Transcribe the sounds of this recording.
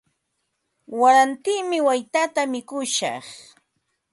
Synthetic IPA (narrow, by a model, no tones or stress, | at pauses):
waɾant̪ɪːmɪwajt̪at̪amɪkʊʃɑ̰χ